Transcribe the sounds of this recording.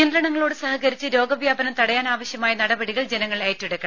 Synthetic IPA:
ɐnd̪ɾɐɳɐŋːɐɭoːɽɨsɐhɐɣɐɾit͡ɕːɨɾo̞ːɡɐʋjaːbɐnɐmt̪ɐɽɐjaːnaːʋɐɕjɐmaːjɐnɐɽɐbɐɽiɣɐɭd͡ʑenɐŋːɐɭaːjɐtːuɽɐkːɐ

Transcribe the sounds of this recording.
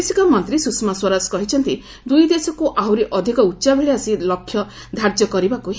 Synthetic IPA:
sikɔmɔnt̪ɾisusmaswɔɾaskɔɦit͡ʃʰɔnt̪i | d̪ujd̪esɔkuʔawɾeʔɔd̪ʱikɔutːʃabʱeɭiasilɔkʰːjɔ | d̪ʱaɾd͡ʒjɔkɔɾibakuɦ

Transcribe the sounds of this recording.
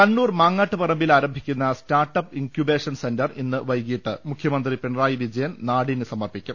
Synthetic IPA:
kɐnːuːrmaːŋːaːʈːɨpɐrɐmbilaːɾɐmbʱikʲːunːɐstaːrʈːɐpiŋkjube̞ːʂɐnsendɐrʔinːɨʋɐjkiːʈːɨmukʰjɐmɐnd̪ripeɳɐraːjiʋid͡ʑɐjɐnnaːɽinɨsɐmɐrpikʲːum

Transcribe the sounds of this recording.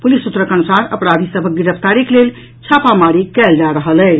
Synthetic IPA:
pulisut̪ːɾəkənusaɾə̰pɾad̪ʱisəbʱək̚ɡiɾəpʰt̪aɾiklel | t͡ʃʰapamaɾikɛld͡ʒaɾəɦəlɛ

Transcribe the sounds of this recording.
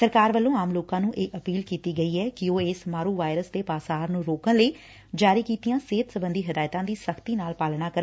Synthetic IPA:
səɾkaːɾʋəlːõːaːmloːkãːnũːʔeːʔəpiːlkiːt̪iːɡəiːɛːkɪoːeːsmaːɾuːʋaːɪɾəsd̪eːpaːsaːɾnũːɾoːkənləiː | d͡ʒaːɾiːkiːt̪ijãːseːt̪səbənd̪iːɦəd̪aːjt̪ãːd̪iːsəkʰt̪iːnaːlpaːlɳ̃aːkəɾ

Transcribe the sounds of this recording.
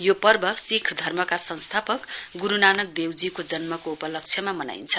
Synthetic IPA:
jopʌrbʱʌsikʰd̪ʱʌrmʌkasʌnst̪ʰapʌkɡuɾunanʌk̚d̪ewd͡zikod͡zʌnmʌkoupʌlʌk̚t͡sʰjʌmamʌna̰jnt͡sʰʌ

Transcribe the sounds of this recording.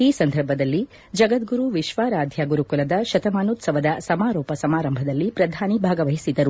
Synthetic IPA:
iːsɐnd̪ʱɐɾbʱɐd̪ɐlːi | d͡ʒɐɡɐt̪ɡuɾuʋiʃʋaːɾaːd̪ʱjaɡuɾukulɐd̪ɐʃɐt̪ɐmaːnut̪sɐʋɐd̪ɐsɐmaːɾɔːpɐsɐmaːɾɐmbʱɐd̪ɐlːipɾɐd̪ʱaːnibʱaːɡɐʋɐɦisid̪ɐɾu

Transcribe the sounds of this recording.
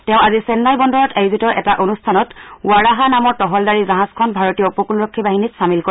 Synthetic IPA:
tɛʊ̃azisɛnːalbɔndɔɹɔtajuzitɔɹʔɛtaʔonustʰanɔtuaɹaɦanamɔɹtɔɦɔldaɹizaɦãskʰɔnbʱaɹɔtijɔupɔkunɹɔkʰːibaɦinitsamilko

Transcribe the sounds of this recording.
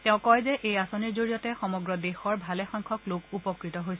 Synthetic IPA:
tɛʊ̃kɔjzɛʔejasoniɹzoɹijɔtɛxɔmɔɡɹɔdexɔɹbʱalɛxɔŋkʰɔklokupɔkɹitɔɦojsɛ

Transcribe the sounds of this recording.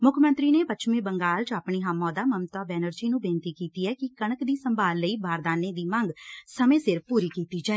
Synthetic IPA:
mʊkʰmə̃nt̪ɾiːneːpətːʃmẽːbəŋɡaːlt͡ʃaːpɳiːɦaːmɔ̃ːd̪aːməmt̪aːbɛːnəɾd͡ʒiːnũːbẽːnt̪iːkiːt̪iːɛːkɪkəɳəkd̪iːsəmbʱaːlːəiːbʱaːɾd̪aːneːd̪iːmə̃ŋɡsəmẽːsɪɾpuːɾiːkiːt̪iːd͡ʒaːɛe

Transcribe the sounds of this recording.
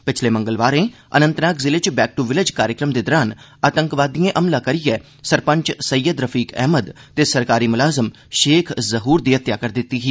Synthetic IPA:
pɪt͡ʃʰleːmə̃ŋɡəlʋaːɾẽː | ə̰nə̃nt̪naːkzɪlɪt͡ʃbɛːk̚ʈuʋɪlɪd͡ʒkaːɾjəkɾəmd̪eːd̪ɔɾaːn | aːt̪əŋkʋaːd̪iẽʔɐmlaːkəɾijɛː | səɾpə̃ɲt͡ʃsəjːəd̪ɾəfʰiːkɛ̰ːməd̪t̪eːsəɾkaːɾiːmʊlaːzəm | ʃeːkʰzəɦuːɾd̪iːɦət̪jaːkəɾd̪ɪt̪ːiːɦiː

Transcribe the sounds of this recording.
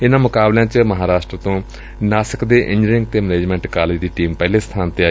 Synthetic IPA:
ɪnãːmʊkaːbljãːt͡ʃməɦaːɾaːʃʈɾət̪õː | naːsəkd̪eːʔɪ̃ɲd͡ʒɾɪ̃ŋɡt̪eːməneːd͡ʒmɛ̃ːɳʈkaːleːd͡ʒd̪iːʈiːmpɛːleːst̪ʰaːnt̪eːaː

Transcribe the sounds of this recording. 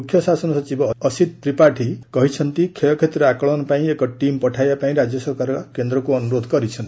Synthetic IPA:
kʰjɔsasɔnɔsɔt͡ʃibɔɔsid̪t̪ɾipaʈʰikɔɦit͡ʃʰɔnt̪ikʰelɔkʰet̪ɾɔakɔɭɔnɔpaĩekɔʈimpɔʈʰajbapaĩɾad͡ʒjɔsɔɾkaɾɔɾɔkend̪ɾɔkuɔnuɾod̪ʱɔkɔɾit͡ʃʰɔn

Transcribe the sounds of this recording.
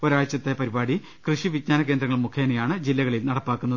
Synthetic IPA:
oɾaːjt͡ɕːɐt̪ːe̞pɐɾibaːɽi | krɨʂiʋidɲaːnɐk̬end̪rɐŋːɐɭmukʰːeːnɐjaːɳɨd͡ʑilːɐɣɐɭilnɐɽɐpːaːkːunːɐð

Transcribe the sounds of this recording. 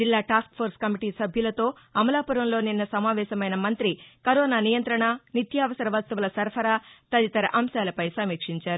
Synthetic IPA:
d͡ʒilːaːʈaːskpʰoːɾskɐmiʈiːsɐbʱjulɐt̪o̞ː | ɐmɐlaːpuɾɐmlo̞ːninːɐsɐmaːʋɛːʃɐmɐjnɐmɐnt̪ɾikɐɾɔːnaːnijɐnt̪ɾɐɳanit̪jaːʋɐsɐɾɐʋɐst̪ɐʋulɐsɐɾpʰɐɾaːt̪ɐd̪it̪ɐɾɐ̰ʔɐmʃaːlɐpɐjsɐmiːkʂiɲt͡ʃaːɾu

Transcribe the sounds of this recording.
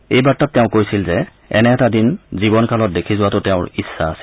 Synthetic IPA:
ejbatːat̚tɛʊ̃kojsilzɛ | ɛ̰nɛɛtadinzibɔnkʰalɔt̚dekʰizʊwatʊtɛʊ̃ɹisːa̰ːsi̥

